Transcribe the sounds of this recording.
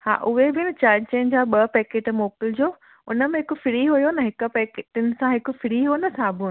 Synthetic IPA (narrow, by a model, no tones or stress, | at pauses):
ha̰ːʔʊɦebɪɪnɪ̆t͡ɕaːɾd͡ʑt͡ɕẽːɲd͡ʑaːɓɐpɛːkeːʈmoːpɪld͡ʑoː | ʊnəmẽɦɪkʊfɪɾiɦujonɐɦɪkʊ̆pɛːkeʈɪnɪ̆sãɦɪkʊ̆fɪɾiɦuonɐsaːbʱʊ̃